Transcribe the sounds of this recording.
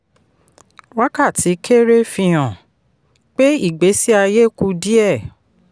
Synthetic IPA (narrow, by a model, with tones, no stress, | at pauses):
wa˦ka˦˨ti˨˦kʰe˦ɾe˦fĩ˧j̃ã˨ | k͡pe˦i˦˨ɡ͡be˨˦si˦a˧je˦ku˧di˦ɛ˦˨